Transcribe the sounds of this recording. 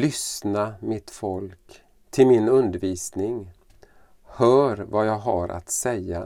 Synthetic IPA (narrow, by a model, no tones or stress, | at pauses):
lʏsnamɪt̪fɔlk | t̪ʰɪlmɪnɵnd̪əɾviːsnɪŋ | hœːɾvajɑːɡɦaɾʔa̰t̪sɛjːa̰